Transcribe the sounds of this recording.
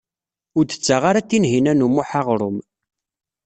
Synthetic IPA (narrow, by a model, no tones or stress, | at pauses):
ʊɾd̪ə̥t͡sːaʁaɾat̪ːinɦinænumuħaʁɾˤʊm